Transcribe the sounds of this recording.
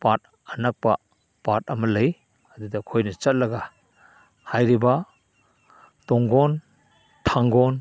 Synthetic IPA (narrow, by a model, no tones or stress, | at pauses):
pat̚ | ɐnak̚pa̰ | pat̚ɐmɐlɐj | ɐdudɐkʰojnɐt͡ʃɐt̚lɐɡa | hajɾiba | tɔŋɡɔn | tʰaŋɡɔn